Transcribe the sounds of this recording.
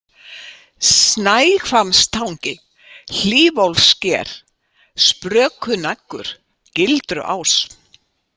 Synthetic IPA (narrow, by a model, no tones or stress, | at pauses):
snajkʰfamst̪ʰawɲcɪ | l̥iːvowlscɛːɾ̥ | spɾœːkʰʏnakːʏ̰ɾ̥ | cɪlt̪ɾʏ̰ʔa̰ws